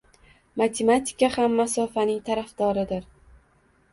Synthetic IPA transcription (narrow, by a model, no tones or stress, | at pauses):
mat̪ʰemat̪ʰɪ̥kahamːasɒfanɪŋt̪ʰaɾafd̪̥ɒɾɪd̪ɪɾ